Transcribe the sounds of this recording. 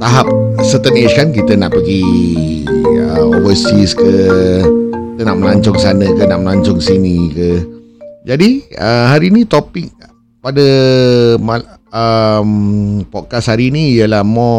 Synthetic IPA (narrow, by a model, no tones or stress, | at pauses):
t̪aɦap̚sət̪ənet͡ʃkankit̪ənaʔpəɡi | əo̰vəsiskə | kit̪ənaʔməlaɲt͡ʃɔŋsanəkənaʔməlaɲt͡ʃɔŋsinikə | d͡ʒadiəhaɾinit̪opɪk̚ | padə | ma | əmpɔt̪̚kashaɾiniijəlahmɔ